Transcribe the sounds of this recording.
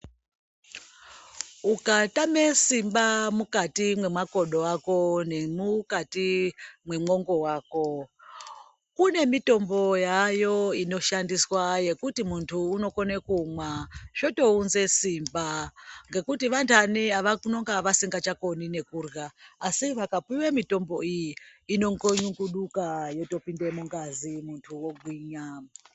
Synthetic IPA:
ukatamesimbamukatimwe̞mwako̞ɗo̞ako̞nemukatimwe̞mo̞ŋɡo̞waːko̞ | kune̞mito̞mbo̞jajo̞ino̞ʃandiswaje̞kutimuntʰuːno̞ko̞nekuːmwaʐ̥o̞to̞unze̞simbaŋɡe̞kutiʋantʰaniaʋakuno̞ŋɡaʋasiŋɡat͡ʃako̞nine̞kurɣaːsiʋakapwiwemito̞mbo̞ijiːno̞ŋɡoɲuŋɡuɗukajoto̞pinde̞muŋɡazimuntʰuwo̞ɡʱwiːɲa

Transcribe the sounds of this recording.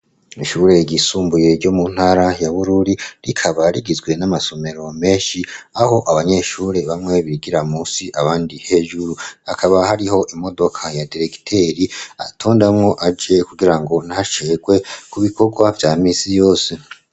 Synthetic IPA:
iʃuːɾe̞ɟisuːmbuje̞ɾɟomun̥haɾajaβuɾuɾiɾikʰaβaɾiɡizɡwe̞namaso̞me̞ɾo̞me̞ːʃiaho̞ʔaβaɲe̞ʃuːɾe̞βamŋe̞βiɡiɾamuːsiʔaβaːndihe̞ːʒuɾuakʰaβahaɾiɦo̞ʔimo̞do̞kʰajadiɾe̞ki̥tʰe̞ɾia̰tʰo̞ːndamŋo̞ʔad͡ʒekuɡiɾaŋɡo̞nahat͡ʃe̞ɡwe̞kuβikʰo̞ɡwavjaːmiːsijo̞ːse

